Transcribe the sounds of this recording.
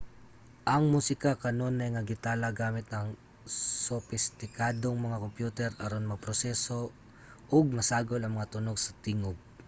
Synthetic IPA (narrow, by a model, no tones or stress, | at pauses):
ʔɐŋmusɪkakɐno̞nɐjŋɐɡɪt̪aːlɐɡaːmɪt̪̚nɐŋ | sʊfɪst̪ɪkaːd̪oŋmɐŋakompjuːt̪ɛɾɐɾonmɐpɾosɛso̞ | ʔoɡ̚mɐsaːɡolɐŋmɐŋat̪ʊnoɡ̚sɐt̪ɪŋoɡ̚